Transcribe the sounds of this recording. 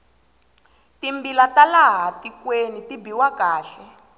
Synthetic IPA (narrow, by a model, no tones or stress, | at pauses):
timbilatalaɦatikwenitibiwakaːɬɛ